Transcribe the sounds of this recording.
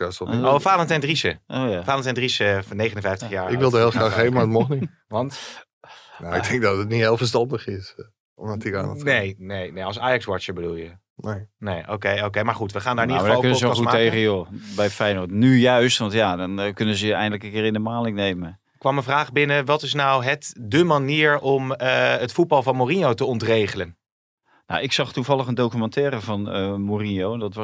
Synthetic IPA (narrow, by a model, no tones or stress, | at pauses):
asɔofaːlˠəntɛndrisəʔojafaːləntɛndrisənejχənənvɛjftəxjaːɹɪkʋɪlˠdəeɪlˠsaeːvəmaətmɔxni | ʋɑnt | naɪk̚dɛŋk̚dɔtətnihelˠfəstɑndəχɪs | ɔmdɔtika̰ːnətnejnejneɔlˠsaːjɑksʋɔt͡ʃəbədulˠjə | nenejʔowkejoːkejmaːɹχutʋəχaːndaɹɪnidəəadalˠkønəzəuatːeχəjobɛjfɛjnotnyjœɥstʋɑntjaːdɔnkɵnəzəɛ̰jndələkənkɪːɾɪndəmaːnlɪknejmə | kʋɑmənvraːχbɪnəʋɑtɪsnawɦətdəmaniːɹɔməətfut̚bɑlˠvɑnmorinjowtəɔntrejχələn | na̰ɪksɑχtuvɑlˠəχəndowkymɑ̃ntɛːɾəvɑnəmorinjowndɑtʋɑ